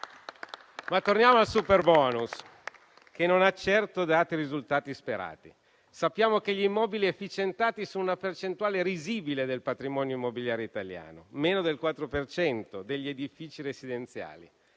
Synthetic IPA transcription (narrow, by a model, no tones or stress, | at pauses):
mat̪ːornjaːmoalsuperbɔːnus | kenonat͡ʃɛrt̪od̪aːt̪iɾizult̪aːt̪ispeɾa̰ːt̪i | sapːjaːmok̟eʎimːɔːbiliefːit͡ʃent̪aːt̪isoːnunapert͡ʃent̪uaːleɾiziːbiled̪elpat̪ɾimɔːnjoimːobiljaːɾeit̪alja̰ːnomeːnod̪elkwat̪ːɾopert͡ʃɛnt̪od̪eʎːied̪ifiːt͡ʃiɾesid̪ent̪sja̰ːlḭ